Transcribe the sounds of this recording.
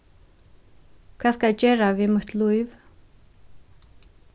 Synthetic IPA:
kʰvaːskaɛt͡ʃeːɹavimʊt̪ʰlujv

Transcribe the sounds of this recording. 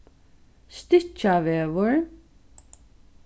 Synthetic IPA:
st̪ɪt͡ʃaʋeːʋʊɹ

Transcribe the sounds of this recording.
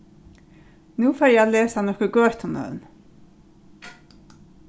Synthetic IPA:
nuːfaːɾjɛalɛːsanɔhkəɡœːt̪ʰɔnœ̰ːðn

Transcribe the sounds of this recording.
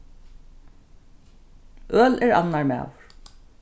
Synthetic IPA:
ʔœːlɛɹa̰nːaɹmæ̰ːwʊɹ̥

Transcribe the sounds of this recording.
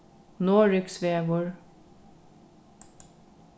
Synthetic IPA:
noːɹʏksʋeːɡʊɹ

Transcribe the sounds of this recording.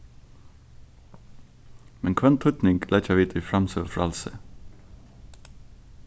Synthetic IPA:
mɛŋkʰʋɛnt̪ʰʊt̪nɪŋɡlæt͡ʃɑʋiːt̪ʰəiːfɾɑmsøːfɾɑ̰lsə̰

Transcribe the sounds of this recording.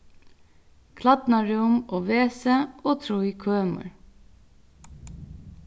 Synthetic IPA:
kʰlɑt̪nɑɹʉːʊmoːʋeːsəʔoːt̪ʰɾuːiːkʰøːmə̰ɹ

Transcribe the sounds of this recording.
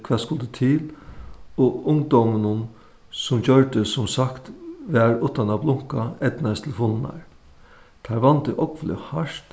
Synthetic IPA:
kʰvɛːskʊlt̪ət̪ʰɪl | ɔʊŋd̪ɔmənʊn | sʊmd͡ʑœɹd̪əsʊmsakt̪ʋæːɹʊt̪ːanablʊŋ̥kaɛt̪nast̪ʰɪlfʊlna̰ɹ | t̪ʰæɹʋant̪əʔɔkflɪ̰haʂt̪

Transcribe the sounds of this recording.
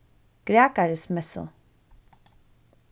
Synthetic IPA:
ɡ̥ɾeːkaɾəsmɛso̰

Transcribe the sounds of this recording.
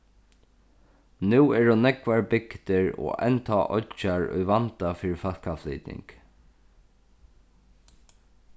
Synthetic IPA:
nʉːɛɹʊnɛkʋaɹbɪkt̪ɪɹo̰ːʔɛ̰nt̪ʰaːʔɔ̰t͡ʃaɹʊ̰jʋant̪afiːɾɪfal̥kaflḭːt̪ɪ̰ŋk

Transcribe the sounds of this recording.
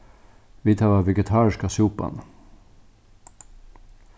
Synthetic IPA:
ʋiːt̪ʰɑːʋɑːʋɛɡət̪ʰɑːɾɪʃkasuːpɑ̰n

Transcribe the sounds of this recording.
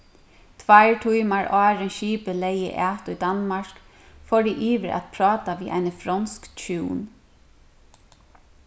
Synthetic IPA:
t̪ʰʋaɪɹʈʰujmaɹʔɑːɾənʃiːpəlejə̰ʔaːt̪ʊjd̪anmaɹk | fɔdiʔiːʋəɾæ̰t̪pʰɾɑːt̪aʋiːʔa̰ɪnəfɾɔnskt͡ʃʰuːn

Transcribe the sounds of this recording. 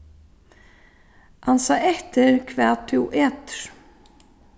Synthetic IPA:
ʔansaːʔɛht̪ɪɾkʰvɛːt̪ʰuwʔɛːt̪ɾ̥

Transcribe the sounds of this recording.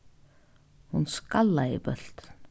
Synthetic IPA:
hunskalːaipœl̥t̪

